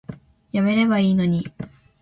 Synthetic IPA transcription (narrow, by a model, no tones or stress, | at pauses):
jame̞ɾe̞baiːno̞ɲ̟i